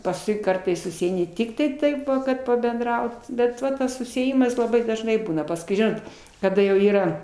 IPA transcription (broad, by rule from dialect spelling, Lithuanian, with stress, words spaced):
pɐsˈkʊɪ ˈkɐrtɐɪs sʊsʲiɛɪˈnʲɪ ˈtʲɪktɐɪ tɐɪp kɐt pɐbʲɛnˈdrɐʊt ˈbʲɛt ˈʋɐ ˈtɐs sʊsʲɪeːˈjɪmɐs lˠɐˈbɐɪ dɐʒˈnɐɪ ˈbuːnɐ pɐsˈkʊɪ ˈʒʲɪnoːt kɐˈdɐ jɛʊ ˈiːrɐ